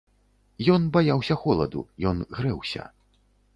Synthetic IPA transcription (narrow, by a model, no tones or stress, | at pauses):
jɔnbajawsʲɐxɔlˠɐ̰d̪ṵjɔnɣɾɛwsʲɐ̰